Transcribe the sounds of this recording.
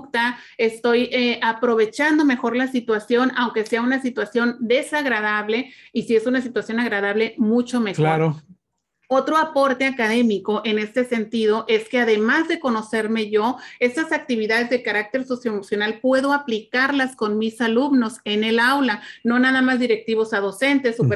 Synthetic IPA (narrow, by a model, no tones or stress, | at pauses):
kt̪a | est̪o̞jeapɾo̞β̞e̞t͡ʃand̪o̞me̞xo̞ɾlasit̪wasjo̞nawŋke̞se̞aunasit̪wasjo̞nd̪e̞saɣɾað̞aβ̞le̞isie̞sunasit̪wasjo̞naɣɾaðaβle̞mut͡ʃo̞me̞xklaɾo | o̞t̪ɾo̞apo̞ɾt̪e̞akaðe̞miko̞ʔe̞ne̞st̪e̞se̞nt̪ið̞o̞ʔe̞ske̞aðe̞mazðe̞ko̞no̞se̞ɾme̞ʝo̞e̞st̪asak̚t̪iβiðaðe̞zðekaɾak̚t̪e̞ɾso̞sjo̞emosjo̞nalpwe̞ðo̞aplikaɾlasko̞nmisaluβno̞se̞ne̞lawlano̞naðamazðiɾe̞k̚t̪iβ̞o̞saðo̞se̞nt̪e̞sup